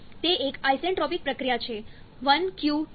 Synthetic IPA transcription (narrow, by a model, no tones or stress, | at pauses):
t̪eʔekajseɳʈɾɔpik̚pɾəkɾijat͡ʃʰe | ʋənkju